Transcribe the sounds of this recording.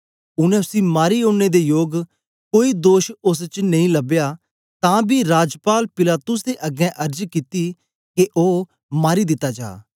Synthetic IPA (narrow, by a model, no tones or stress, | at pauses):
ʊnɛ̃ʊsĩmaːɾiõːed̪ejoːɡ | koːiːd̪oːʃʊs̬t͡ʃnɐĩləbjaː | t̪ãːbiːɾaːd͡ʒpaːlpɪlaːt̪ʊsd̪eːʔɐɡɛ̃ʔɐɾd͡ʒkit̪i | keʔoː | maːɾid̪ɪt̪ːaːd͡ʒa̰ː